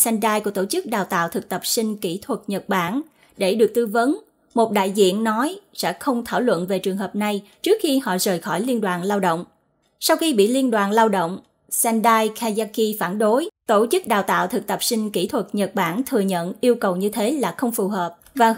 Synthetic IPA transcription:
sɛ˧nɗaː˧jku˧˩ət̪o˧˩t͡ɕɨ˦˥k̚ɗaː˨˩wt̪a̰ː˧˨wt̪ʰɨ˨˩k̚t̪ə˨˩p̚si˧ŋ̟ki˧˩t̪ʰwə˨˩t̚ɲə˨˩t̚ɓaː˧˩n | ɗe˧˩ɗɨ˨˩ək̚t̪ɨ˧və˨˦n | mo˨˩t̚ɗa̰ː˧˨jzḭ˧˨ənːɔ˨˦jsɛ̰˧˥xə˧wŋ͡mt̪ʰaː˧˩wlwə̰˧˨nve˨˩t͡ɕɨ˨˩əŋɦəː˨˩p̚na˨˩jt͡ɕɨ˦˥k̚xi˧hɔ̰˧˨zəː˨˩jxɔ˧˩jli˧ənɗwaː˨˩nlaː˧wɗo̰˧˨wŋ͡m | sa˧wxi˧ɓḭ˧˨li˧ənɗwaː˨˩nlaː˧wɗo̰˧˨wŋ͡m | sɛ˧nɗaː˧jkaː˧zaː˧ki˧faː˧˩nɗo˨˦jt̪o˧˩t͡ɕɨ˦˥k̚ɗaː˨˩wt̪a̰ː˧˨wt̪ʰɨ˨˩k̚t̪ə˨˩p̚sï˧ŋ̟ki˧˩t̪ʰwə˨˩t̚ɲə˨˩t̚ɓaː˧˩nt̪ʰɨ˨˩əɲə̰˧˨nʔi˧əwkə˨˩wɲɨ˧t̪ʰe˨˦laː˨˩xə˧wŋ͡mfu˨˩ɦəː˨˩p̚vaː˨˩

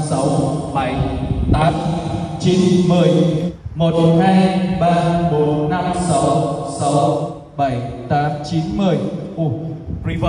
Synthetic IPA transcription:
sa˨˦wɓa˧˩jt̪aː˨˦m | t͡ɕi˨˦nmɨ˨˩əjmo˨˩t̚haː˧jɓaː˧ɓo˨˦nːa˧msa˨˦wsa˨˦w | ɓa˧˩jt̪aː˨˦mt͡ɕi˨˦nmɨ˨˩əjʔu˧˩i˧

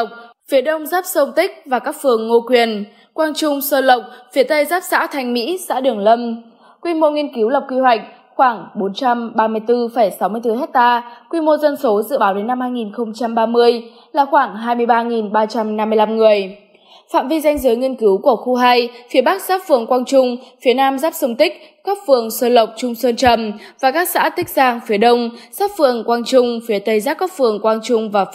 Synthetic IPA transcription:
k͡p̚fi˨˦ɗə˧wŋ͡mzaː˦˥p̚sə˧wŋ͡mt̪ï˦˥k̟̚vaː˨˩kaː˦˥k̚fɨ˨˩əŋːo˧kwi˨˩ən | kwaː˧nt͡ɕʊ˧ŋ͡msəː˧lə˨˩wk͡p̚fi˨˦ət̪ə˧jzaː˦˥p̚sa̰ː˧˥wt̪ʰa˧jŋ̟mḭ˧˥sa̰ː˧˥ɗɨ˨˩əŋlə˧m | kwi˧mo˧ŋi˧ənki˨˦wlə˨˩k͡p̚kwi˧hwa˨˩jk̟̚ | xwaː˧˩ŋɓo˨˦nt͡ɕa˧mɓaː˧mɨ˧əjt̪ɨ˧fə˧˩jsa˨˦wmɨ˧əjt̪ɨ˧hɛ˦˥t̚t̪aː˧kwi˧mo˧zə˧nso˨˦zɨ̰˧˨ɓaː˨˦wɗe˨˦nːa˧mhaː˧jŋi˨˩nxə˧wŋ͡mt͡ɕa˧mɓaː˧mɨ˧əj | laː˨˩xwaː˧˩ŋɦaː˧jmɨ˧əjɓaː˧ŋi˨˩nɓaː˧t͡ɕa˧mna˧mːɨ˧əjla˧mŋɨ˨˩əj | fa̰ː˧˨mvi˧za˧jŋ̟zɨ˨˦jŋi˧ənkɨ˨˦wku˧˩əxu˧ɦa˧jfi˨˦əɓa˦˥k̚saː˦˥p̚fɨ˨˩əŋkwaː˧nt͡ɕʊ˧ŋ͡mfi˨˦ənaː˧mzaː˦˥p̚sə˧wŋ͡mt̪ï˦˥k̚ | kɔ˦˥p̚fɨ˨˩əŋsəː˧lə˨˩wk͡p̚t͡ɕʊ˧ŋ͡msəː˧nt͡ɕə˨˩mvaː˨˩kaː˦˥k̚sa̰ː˧˥t̪ï˦˥k̟̚zaː˧ŋfi˨˦əɗə˧wŋ͡msaː˦˥p̚fɨ˨˩əŋkwaː˧nt͡ɕʊ˧ŋ͡mfi˨˦ət̪ə˧jzaː˦˥p̚kɔ˦˥p̚fɨ˨˩əŋkwaː˧nt͡ɕʊ˧ŋ͡mvaː˨˩

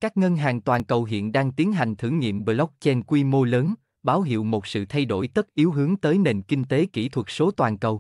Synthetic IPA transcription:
kaː˦˥k̚ŋə˧nɦaː˨˩ŋt̪waː˨˩nkə˨˩wɦḭ˧˨ənɗaː˧ŋt̪i˨˦ənɦa˨˩jŋ̟t̪ʰɨ̰˧˩ŋŋḭ˧˨əmɓə˧lɔ˦˥k͡p̚t͡ɕɛ˧nkwi˧mo˧ləː˨˦n | ɓaː˨˦wɦḭ˧˨əwmo˨˩t̚sɨ̰˧˨t̪ʰa˧jɗo̰˧˩jt̪ə˦˥t̚ʔi˨˦wɦɨ˨˦əŋt̪əː˨˦jne˨˩nkï˧ŋ̟t̪e˨˦kḭ˧˩t̪ʰwə˨˩t̚so˨˦t̪waː˨˩nkə˨˩w

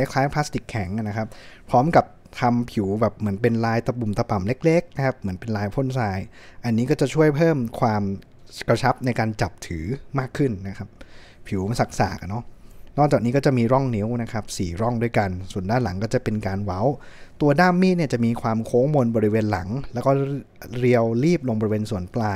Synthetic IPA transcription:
a˦˥jkʰlaː˦˥jpʰa˦˥st̪i˨˩kʰːɛ˩˦ŋ˨˩na˦˥kʰa˦˥p̚pʰɾɔː˦˥mka˨˩p̚ | t̪ʰa˧mpʰi˩˦wbɛː˨˩p̚mɯ˩˦ənpe˧nlaː˧jt̪a˧pu˨˩mt̪a˧pa˨˩mle˦˥k̚le˦˥k̚na˦˥kʰa˦˥p̚mɯ˩˦ənpe˧nlaː˧jpʰo˥˩nsaː˧j | ʔa˧nːiː˦˥kɔː˥˩t͡ɕa˨˩t͡ɕʰu˥˩əjpʰɤː˥˩mkʰwaː˧m | kɾa˧t͡ɕʰa˦˥p̚na˧jkaː˧nt͡ɕa˨˩p̚t̪ʰɯː˩˦maː˥˩kʰːɯ˥˩nːa˦˥kʰa˦˥p̚ | pʰi˨˩˦wsa˨˩k̚sa̰ː˨˩k̚nɔ˦˥nɔː˥˩k̚t͡ɕaː˨˩k̚niː˦˥kɔː˥˩t͡ɕa˨˩miː˧ɾɔ˥˩ŋni˦˥wna˦˥kʰa˦˥p̚siː˨˩ɾɔ˥˩ŋdu˥˩əjka˧nsu˨˩əndaː˥˩nla˩˦ŋkɔː˥˩t͡ɕa˨˩pe˧nkaː˧nwa˦˥wt̪u˧ɐdaː˥˩mːiː˥˩t̪̚ni˥˩ɐt͡ɕa˨˩ʔmiː˧kʰwaː˧mkʰoː˦˥ŋmo˧nbɔ˧ɾi˦˥weː˧nla̰˩˦ŋlɛ˦˥wkɔː˥˩ | ɾi˧əwliː˥˩p̚lo˧ŋbɔ˧ɾi˧weː˧nsu˨˩˦ənplaː˧j

